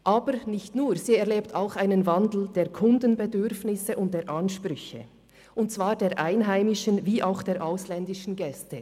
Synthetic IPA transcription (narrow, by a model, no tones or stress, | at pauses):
ʔaːbəɾnɪçtnuːʁziːɛɐʁleːptʰaʊxaɪnənvandl̩d̥eːɐkʰʊndənbɛdʏɾfnɪsəʔʊnt̚d̥eːɐɾʔanʃpɾʏçə̰ | ʔʊnt̚t͡sv̥aːɾdeːɐʔaɪnɦaɪmɪʃənviːʔaʊxd̥eːɾʔaʊslɛndɪʃn̩ɡɛstə